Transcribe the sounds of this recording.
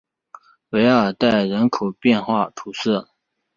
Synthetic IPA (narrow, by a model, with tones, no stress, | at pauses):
we˧˥ɪə˞˨˩t̪a˥˩ɪɻə˧˥nkʰo˨˩ʊpjɛ˥˧nxwa˥˩t̪ʰu˨˧˩sɤ˥˩